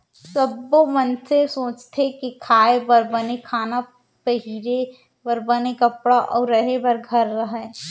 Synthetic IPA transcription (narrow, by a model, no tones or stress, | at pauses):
sɐbːomɐnsesoːt͡ʃt̪ʰekikʰaːebɐɾbɐnekʰaːna | pɐɦiɾe | pɐɾbɐnekɐpɽaʔɔːɾːɐɦebɐɾɡʱɐɾːɐɦɛ